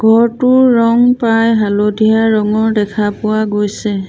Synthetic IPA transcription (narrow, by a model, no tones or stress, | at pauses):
ɡʱɔɹtʊɹːɔŋpajɦalodʱijaɹɔŋɔɹdɛkʰapʊaɡojsɛ